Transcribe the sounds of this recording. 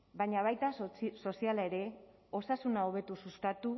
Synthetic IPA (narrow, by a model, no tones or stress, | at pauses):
bajɲaβ̞ajt̪aso̞sialae̞ɾe̞o̞sasunaoβ̞e̞t̪ususkat̪u